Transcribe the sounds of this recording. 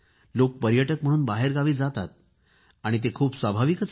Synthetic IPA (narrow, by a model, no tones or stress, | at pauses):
lok̚pəɾjəʈəkm̤əɽ̃uːnbaɦeɾɡaʋiːd͡zat̪at̪̚ | aɽ̃it̪ekʰuːpsʋabʱaʋikət͡s